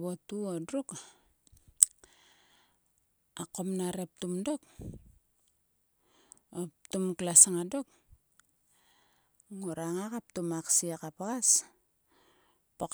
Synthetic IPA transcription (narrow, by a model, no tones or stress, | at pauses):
βotuodruk | akːomnaɾep̚tumdok | optumklasaŋadok̚ | ŋoɾaŋakap̚tumaksiakapaɡas | pok